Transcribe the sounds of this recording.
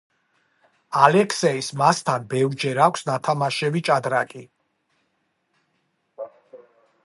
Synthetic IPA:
alɛkʰsɛismast̪ʰanbɛvɾd͡ʒɛɾakʷʰsnat̪ʰamaʃɛvit͡ʃʼad̪ɾakʼi

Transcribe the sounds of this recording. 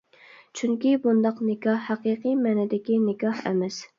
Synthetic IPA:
t͡ʃʰyŋkʲibund̪ɑqnɪkʲɑhːæqiqɨjmæːnɛd̪ɪkʲinɪkʲɑhɛ̰mɛs

